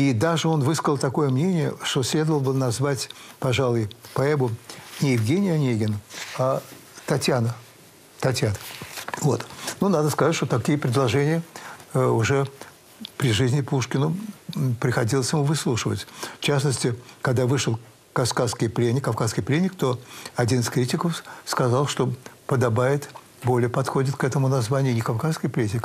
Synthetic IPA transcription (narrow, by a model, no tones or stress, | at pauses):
id̪aʐɨo̞nvɨskəlˠt̪ɐko̞jəmnʲenʲɪjə̰ʂt̪osʲlʲe̞d̪əvəlˠbɨnɐzvatʲpɐʐalˠʊjpɐɛbʊnʲɪjɪvɡʲenʲɪjɐnʲejɡʲɪna | t̪ɐtʲjanə | t̪ɐtʲjanəvo̞t̪nunad̪əskɐzatʲʂt̪ot̪ɐkʲijəpɾʲɪd̪lˠɐʐɛnʲɪjə | ʊʐɛ | pɾʲɪʐɨzʲnʲɪpuʂkʲɪnʊpɾʲɪxɐdʲilˠəsʲjɪmuvɨslˠuʂɨvətʲft͡ɕas̬nəsʲtʲɪkɐɡd̪avɨʂɨlˠ | kɐfkaskʲɪjplʲenʲɪkːɐfkaskʲɪjplʲenʲːɪkt̪o̞ɐdʲinɨskɾʲitʲɪkəfskɐzalˠʂt̪o̞pəd̪ɐbajɪt̪ | bo̞lʲɪjəpɐt̪xo̞dʲɪt̪kɛt̪əmʊnɐzvanʲɪjʊnʲɪkɐfkaskɪjplʲetʲɪk